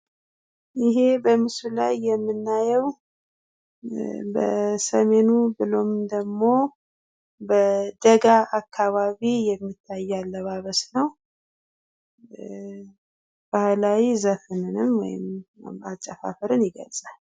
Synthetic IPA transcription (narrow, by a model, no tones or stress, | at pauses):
ʔɪɦe̞bəmɨslajːɛmːɨnːajɛw | bə̰səme̞nubɨlo̞md̪əɡmo̞ | bəd̪əɡaʔakʰːaβaβijɛmːit̪ʰːajːalːəβaβəsnəw | b̥ahlawizəfɨnɨnɨmwɔ̰jɪ̰mat͡ʃʼːəfa̰fəɾɨnjɪɡə̰lsʼal